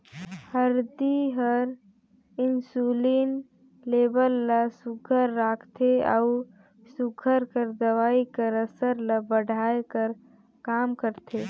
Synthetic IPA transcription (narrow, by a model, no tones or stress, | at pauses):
həɾd̪iɦəɾ | ɪnsuliːn | leːbəlːasʊɡʰʱəɾːaːkʰt̪ʰea̰ʊ | sʊɡʰʱəɾkəɾd̪əʋaːikəɾəsəɾlabəɽʱaːekəɾ | kaːmkəɾt̪ʰeː